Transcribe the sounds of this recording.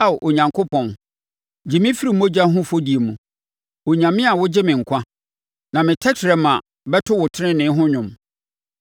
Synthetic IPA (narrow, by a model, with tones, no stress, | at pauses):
a˨ʔo˨ɲã˨ŋkʰʊ˦pʰɔ̃˨n | d͡ʑɪ˨mɪ̃˦fi˦ɾi˦m̩˦õ˦d͡ʑa˦ɦʊ̃˦fo˦di˨e˨mũ˨ | o˨ɲã˨mɪ̃˦a˨wʊ˦d͡ʑɪ˦mɪ̃˨ŋ̩˨kʰʷã˦ | nã˨mɪ̃˨tʰɛ˦tʰɾɛ˨˦mã̰˨ | bɛ˦tʰʊ˦wʊ˨tʰɪ˦ɾɪ̃˦nɪ̃˨˦ɦʊ̃˦ɲʊ̃˨m